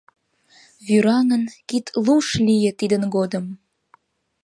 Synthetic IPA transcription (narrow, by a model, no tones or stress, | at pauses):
βyɾɑŋənkit̪luʃlijet̪id̪ənɡod̪əm